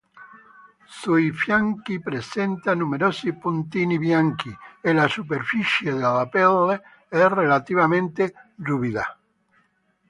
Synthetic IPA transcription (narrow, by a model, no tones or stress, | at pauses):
sujfjaŋkipɾesent̪anumeɾosipunt̪iniβjaŋkielasup̬eɾfiʃjeðelapɛlːe | ɛrelat̪iβamẽnt̪eruβiða̰